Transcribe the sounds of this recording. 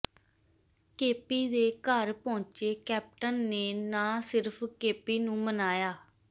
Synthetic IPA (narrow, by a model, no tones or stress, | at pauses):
keːpiːd̪eːkəɾpɔ̃ːɲt͡ʃeːkɛːp̚ʈənːeːnãːsɪɾpʰkeːpiːnũːmənaːjaː